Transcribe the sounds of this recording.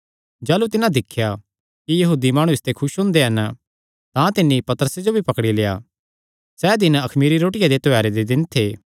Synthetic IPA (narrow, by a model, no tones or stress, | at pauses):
d͡ʒaːlut̪ɪnãd̪ɪkʰːja | kijɐɦuːd̪imaːɽ̃uɪst̪ekʰʊʃɦʊ̃ːnd̪eɦɐn | t̪ãt̪ɪnːipɐt̪əɾəsed͡ʒobʱipɐkɽileːja̰ | sɛːd̪ɪnɐkʰmiːɾiɾoːʈɪjad̪et̪ʊɦɛːɾed̪ed̪ɪnt̪ʰeː